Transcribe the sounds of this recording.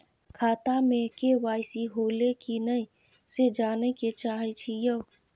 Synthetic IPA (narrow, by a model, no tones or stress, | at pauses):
kʰaːt̪amẽkeʋaːɪsiɦoːlekinəĩ | sed͡ʒaːneket͡ʃaːɦit͡ʃʰijəw